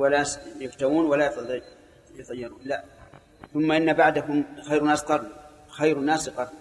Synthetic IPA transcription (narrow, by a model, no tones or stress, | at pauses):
walasjɪft̪amuːnwalajɑt̪ˤ | jɑt̪ˤɑjːɪɾˤuːnla | θʊmːaʔɪnːabaʕd̪aɦʊmxajɾnaːsqɑɾˤ | xajɾnaːsɨqɑˤ